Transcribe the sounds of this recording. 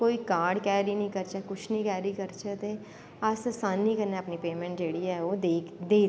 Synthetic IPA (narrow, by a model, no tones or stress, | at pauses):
koːiːkaːɾɖkɛːɾiːnəĩːkəɾt͡ʃɛkʊt͡ʃʰnĩːkɛːɾiːkəɾt͡ʃət̪eː | assaːnːĩːkəɾneəpniːpeːmɛ̃ːɳʈ̚d͡ʒeːɽiːɛːoːd̪eːd̪eː